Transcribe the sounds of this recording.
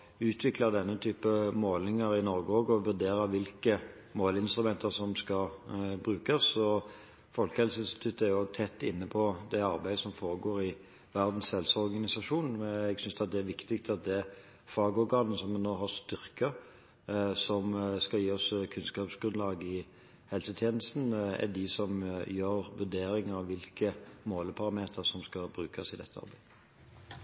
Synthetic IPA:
ʉːt̪ʰʋɪklɑd̪ɛnːət̪ʰyːpəmoːlnɪŋəɾɪnɔɾɡəoːɡɔʋʉɾd̪eːɾɑʋɪlkə | moːlɪnst̪ɾʉmɛnt̪ʰəsɔmskɑbɾʉːkɑsɔ | fɔlkəhɛlsəɪnst̪ɪ̥t̪ʰʉt̪ːəæɾjʊoːɡt̪ʰɛt̪ːɪ̰nːəpʰɔd̪ɛɑɾbæɪd̪əsɔmfoːɾəɡoːɾɪ | ʋæʁd̪n̩shɛlsɔɾɡɑnɪsɑʂuːnɛɡsʏnsd̪ɑt̪̚d̪ɛæɾʋɪkt̪ɪkt̪ɑt̪̚d̪ɛ | fɑːɡəɔɾɡɑːnəsɔmːɛnːoːɦɑst̪ʏʁkə | sɔmskɑjiːɔskʰʉnskɑːpsɡɾʉnlɑːɡəɪ | hɛlsət̪ʰjeːnəst̪n̩æ̰d̪ɪsɔmjøːʁʋʉd̪eːɾɪŋəɑʋʋɪlkəmoːləpʰɑɾɑmeːt̪ʰəɾsɔmskɑbɾʉːkʰɑsɪd̪ɛ̰t̪ːəɑ̰ɾbæɪd̪ə

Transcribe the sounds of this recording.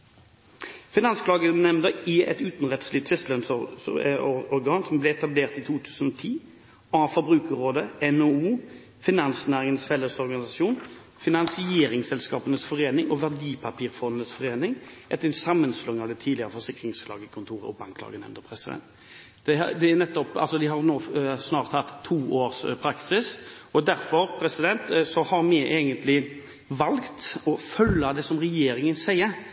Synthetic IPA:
fɪnɑnskʰlɑːɡənɛmnd̪əɪʔɛ̰t̪ʉːt̪nʁɛt̪slɪt̪ʰʋɪstlœns | ɔɔʁɡɑːnsɔmblɛɛt̪ɑbleːʁt̪iːt̪ʰuːt̪ʰʉːsənɔt̪ʰiː | ɑːfɔʁbʁʉːkəʁoːd̪əɛnouː | fɪnɑnsnæːʁɪŋənəsfɛləsɔʁɡɑnɪsɑʃuːn | fɪnɑnsɪeːɾɪŋsɛlskɑːpənəsfɔʁeːnɪŋoʋæʁd̪iːpʰɑpiːʁfɔnd̪nəsfɔʁeːnɪŋʔɛt̪ːəɾɛnsɑmːənslɔŋːɑʋd̪ɛt̪ʰiːd̪lɪəɾəfɔʁsɪkɾɪŋsflɑ̰ːɡəkʰʊnt̪ʰuːɾə̰ɔbɑŋkʰlɑ̰ːɡənɛ̰mnd̪əpʰɾɛsɪd̪ɛ̰nt̪ | d̪ɛ̰d̪ɛænɛt̪ːɔpɑ̰lsɔd̪ɪɦɑɾnoːsnɑːʁt̪hɑt̪ʰːuːʔoːɾspʰɾɑksɪsɔd̪æɾfɔɾpʰɾɛsɪd̪ɛnt̪sɔhɑɾmɛʔeːɡənt̪lɪ | ʋɑlkt̪ɔfœlːɑd̪ɛsɔmɾɛjeːɾɪŋənsæɪə

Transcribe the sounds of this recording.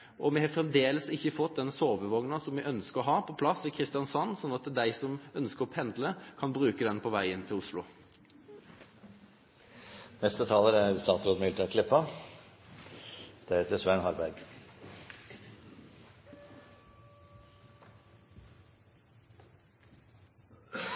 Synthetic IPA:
ʔɔmɛhɑːfʁɛmd̪eːləsɪçːəfɔt̪̚d̪ɛnsoːʋəʋɔŋnɑsɔmːɛʔœnskəʁɔɦɑːpʰɔpʰlɑsːɪkʰʁɪst̪ɪjɑnsɑnːsɔnːɑt̪d̪æɪsɔmœnskəɾɔpʰɛnd̪ləkʰɑnbʁʉːkəd̪ɛnpʰɔʋæɪɪnːt̪ʰɪlʊslʊ̰ | nɛst̪ət̪ʰɑːləɾæst̪ɑːt̪ɾoːd̪mɪt̪əkʰlɪpːɑ | d̪̥ɛheːt̪əsʋænhɑɾbæɾɡ

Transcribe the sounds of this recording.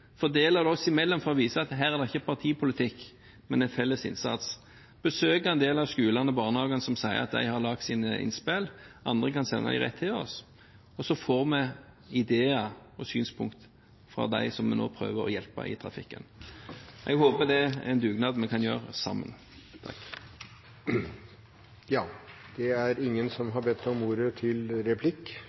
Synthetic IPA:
fɔd̪eːləd̪ɛɔsɔɪmɛlːɔmfɔɾɔʋiːsəɑt̪ɦæːɾæʁd̪ɛɪçːəpʰɑʁt̪ʰiːpʰʊlɪt̪ʰɪkː | mɛnɛnfɛlːəsɪ̰nsɑt̪s | b̥əsøːkəɛnd̪eːlɑʋskʉːlɑnəbɑːʁnəhɑːɡənəsɔmsæɪə̰ʁɑt̪̚d̪æ̰ɪhɑɾlɑk̚t̪siːnɪ̰nspelʔɑ̰nd̪ɾəkɑnsɛ̰nːʔɑ̰ɪʁɛ̰t̪ʰːɪɔ̰s | ɔsɔfoːʁmɛ | ɪd̪eːəɔsyːnspʰʊŋkt̪ | fɾɑ̰d̪æɪsɔmɛno̰ːpʰɾø̰ːʋəɾɔ̰jɛlpɑ̰ʔɪ̰t̪ʰʁɑfɪkːə̰n | ʔɛɡhoːpəd̪ɛɛnd̪ʉːɡnɑːd̪mɛkʰɑnjøːʁəsɑ̰mːə̰n | t̪ʰɑ̰kː | jɑːd̪̥ɛæɾɪŋːənsɔmɦɑbɛt̪ʰːɔmuːɾət̪ʰɪlɾɛpʰlɪkː

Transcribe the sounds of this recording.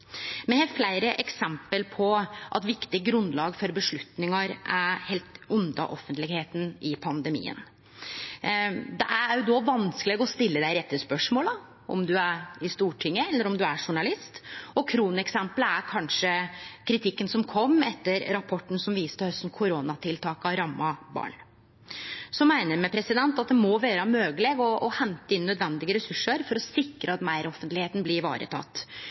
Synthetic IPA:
mɛhɛflæɪɾəʔɛksɛmpəlpʰɔʔɑ̰t̪ʋɪkt̪ɪɡɾʉnd̪lɑːɡfɔɾbəʂɭʉt̪nɪŋɑɾʔæhelt̪ʊnd̪ɑ̰ʔɔfːənt̪lɪɡheːt̪n̩ɪpʰɑnd̪əmḭːə̰n | d̪ɛʔæɾd̪ɔʋɑnskəlɛːɡɔst̪ɪlːəd̪æɪɾɛt̪ːəspœʂmoːlɑ | ʔɔ̰md̪ʉæɾɪst̪uːʈʰɪŋːəɛlːəɾɔmd̪ʉæʂʊɳɑlɪst̪ɔkʰɾuːnɛksɛmpələæɾkʰɑnʂəkʰɾɪt̪ʰɪkːənsɔmkʰɔmːɛt̪ːəɾɾɑpʰɔʈːn̩sɔmʋiːst̪əhœst̪n̩kʰʊɾoːnɑt̪ʰɪlt̪ʰɑːkɑɾɑmːɑbɑ̰ːɳ | sɔmæɪnəɾmɛpʰɾɛsɪd̪ɛnt̪ɑt̪̚d̪ɛmɔʋeːɾəmøːɡəleːɡɔːhɛnt̪əɪnːœd̪ʋɛnd̪ɪɡəɾɛsʉʂːəɾfɔɾɔsɪkɾəɑt̪mæɪɾɔfːənt̪lɪheːt̪n̩blɪɾʋɑ̰ːɾʔə̰t̪ʰɑ̰t̪ː

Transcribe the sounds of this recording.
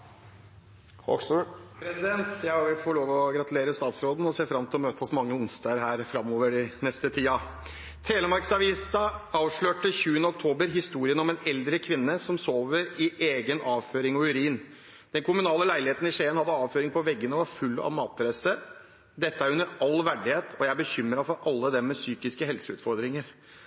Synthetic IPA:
ɔ̰spʰɾɛsɪd̪ɛnt̪jæɪhɑɾʋɪfoːɭoːʋɔɡɾɑt̪ʉleːɾəst̪ɑːt̪sɾoːd̪n̩ɔseːfɾɑmt̪ʰɪlɔmøːt̪ʰəɔsmɑŋːəʊnst̪ɑːəɾɦæːɾfɾɑmːoːʋəɖɪnɛst̪ət̪ʰiːɑ | t̪ʰeːləmɑɾksɑʋiːsɑɑːʋʂɭøːʈəçʉːənəɔk̚t̪ʰoːbəɾɦɪst̪uːɾɪənɔmɛnɛld̪ɾəkʰʋɪnːəsɔmsoːʋəɾɪʔeːɡənɑːʋføːɾɪŋɔʉɾiːn | d̪ɛnkʰʊmʉnɑːləlæɪlɪheːt̪n̩ɪʂeːənhɑd̪ːəɑːʋføːɾɪŋpʰɔʋɛɡːənəʋɑɾfʉlːɑ̰ʋmɑːt̪ɾɛsə | d̪ɛt̪ːəæɾʉnːəɾɑlːʋæɖɪheːt̪ʰɔjæɪæbəçʏmɾɑfɔɾʔɑlːəd̪ɛmːɛsyːkɪskəhɛlsəʉ̰t̪fɔɾd̪ɾɪŋəɾ

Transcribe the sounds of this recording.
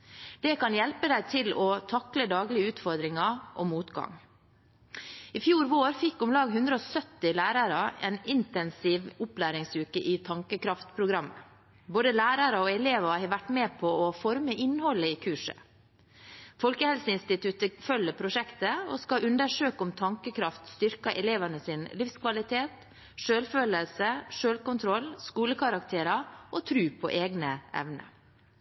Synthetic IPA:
d̪̥ɛkɑnjɛlpəd̪æɪt̪ʰɪlɔt̪ʰɑkləd̪ɑːɡlɪəʉːt̪fɔɾd̪ɾɪŋɑʔɔ̰muːt̪ɡɑ̰ŋ | ɪfjuːɾʋoːɾfɪkːʊmlɑːɡɦʉnd̪ɾəɔsœt̪ːɪlæːɾɑɾɑɛ̰nɪnt̪ɛnsɪʋʊplæːɾɪŋsʉːkəʔɪt̪ʰɑŋkəkɾɑft̪pʰɾʊɡɾɑmːə | boːd̪əlæːɾɑɾəoɛleːʋɑhɛʋæʈːmeːpʰɔɔfɔɾməʔɪnhɔlːəiːkʰʉːʂə̰ | fɔlkəhɛlsəɪnst̪ɪt̪ʰʉt̪əfœlːəpʰɾʊʂɛkt̪əo̰skɑʔʉnd̪əʂøːkɔmt̪ʰɑŋkəkʰɾɑft̪st̪ʏɾkɑʔɛleːʋɑnəsɪnlɪfskʰʋɑlɪt̪ʰeːt̪ | ʂøːlføːləlsəʂøːlkʊnt̪ʰɾɔlːskuːləkʰɑɾɑkt̪ʰeːɾɑʔɔt̪ʰɾʉːpʰɔ̰ʔeːɡnəʔɛ̰ʋnə̰

